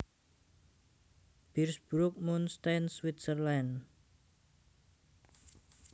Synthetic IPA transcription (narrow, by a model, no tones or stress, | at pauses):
b̥irsb̥ɾʊk̚munst̪answit̪sərlɛn